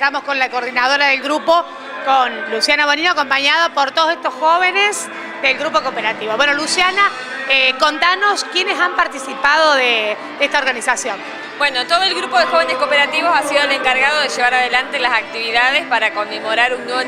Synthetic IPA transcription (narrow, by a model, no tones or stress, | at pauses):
t̪amosko̞nlakoːɾðinað̞o̞ɾaðelɣɾupo̞ | konlusjanaβonioako̞mpaɲaðapoɾt̪oðos̬et̪osxoβenes | d̪elɣɾupokopeɾat̪iβoβwenolusjana | eko̞nt̪anoskjenesampaɾt̪isipaðoðe | d̪eeht̪aoɾɣanisasjo̞n | bwenot̪oðoelɣɾupo̞ðexoβeneskopeɾat̪iβosasiðoeleŋkaɾɣaðoðeʒeβaɾaðelant̪elasak̚t̪iβiðaðespaɾakommemoɾaɾuŋnwe